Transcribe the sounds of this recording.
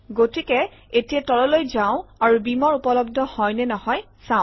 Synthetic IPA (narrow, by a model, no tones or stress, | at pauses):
ɡotikɛ | etijatɔlɔlojzãʊ̃aɹubimɔɹupɔlɔb̚dʱɔhɔjnɛnɔɦɔj | sãʊ̃